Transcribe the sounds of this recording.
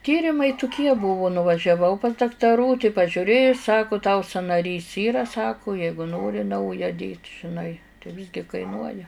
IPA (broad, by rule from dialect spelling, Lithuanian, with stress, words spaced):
ˈtʲiːrʲɪmɐɪ tʊˈkʲiɛ ˈbʊʋʊ nʊʋɐʒʲɛˈʋɐʊ pɐs dɐktɐˈruː tɐɪ pɐʒʲʊˈrʲeːjʊ ˈsɑːkʊ tɐʊ sɐnɐˈrʲiːs ˈiːrɐ ˈsɑːkʊ ˈjɛɪɡʊ ˈnoːrʲɪ ˈnɐʊjɛ dʲeːtʲ ʒʲɪˈnɐɪ tɐɪ ˈʋʲɪzʲɡʲɪ kɐɪˈnuɔjɛ